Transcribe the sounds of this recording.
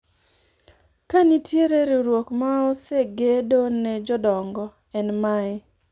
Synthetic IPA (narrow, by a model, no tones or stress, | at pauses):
kanitʰjeɾeɾiɾwokmaɔseɡedonɛd͡ʒɔdɔŋɡɔ | ɛnmaɪ